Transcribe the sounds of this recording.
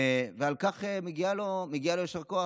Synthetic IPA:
vealkaχemeɡialomeɡialojoʃeʁkoa

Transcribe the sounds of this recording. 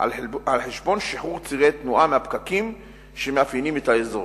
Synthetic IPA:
alħeʃbo̞nʃiħuʁt͡siʁet̪nuʔamehapkakim | ʃemeafinimet̪aezo

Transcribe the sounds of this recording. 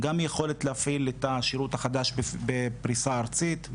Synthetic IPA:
ɡamjeχo̞letleafiletaʃiʁutaχad̪aʃbebepʁisaːʁt͡sit̪

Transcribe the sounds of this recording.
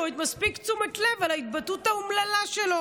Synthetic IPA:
et̪maspikt͡sumetlevalait̪̚batutaumlalaʃelo

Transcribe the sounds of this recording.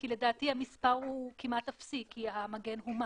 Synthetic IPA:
kile̞daːtihamispaʁukimatafsikʰiamaɡe̞nɦuma

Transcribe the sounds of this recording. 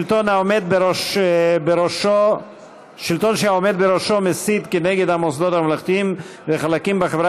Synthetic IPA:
lt̪onaomed̪̚beɾoʃbeɾoʃo | ʃilt̪onʃehaomed̪̚beɾoʃomesid̪keneɡed̪amosd̪ot̪hamalaχt̪iimveχalakimbeχevɾʁa

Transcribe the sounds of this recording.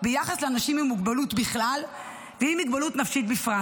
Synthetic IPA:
bejaχasleanaʃimimːuɡbalut̪biχlal | veimiɡbalut̪nafʃit̪̚bifʁa

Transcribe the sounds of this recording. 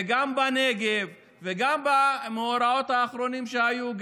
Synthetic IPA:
ɡambane̞ɡevː | eɡambameoɾao̞t̪haːχɾo̞nimʃehajuɡ

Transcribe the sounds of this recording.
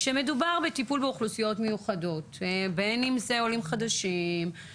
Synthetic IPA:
ʃeme̞dubaʁbetipulbeuχlusijo̞tme̞juχado̞tbenimzeolimχadaʃim

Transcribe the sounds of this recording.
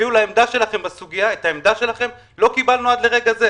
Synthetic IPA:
iulaemd̪aʃe̞laχe̞mbasuɡijaet̪aemd̪aʃe̞laχem | lo̞kibalnuad̪le̞ʁe̞ɡaze

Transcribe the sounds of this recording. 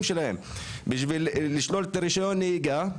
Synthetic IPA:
mʃelahḛm | biʃvilːiʃlo̞let̪aɾiʃajo̞nːeiɡa

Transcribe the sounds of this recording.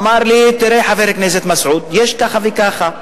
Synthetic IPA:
maɾlit̪iɾeħaveɾknes̬et̪masʕud̪jeʃkaχavikaχa

